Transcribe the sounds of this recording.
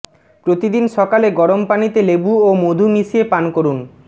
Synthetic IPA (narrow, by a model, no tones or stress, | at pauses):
pɾot̪id̪inʃɔkaleɡɔɾompanit̪elebuomod̪ʱumisiepankoɾun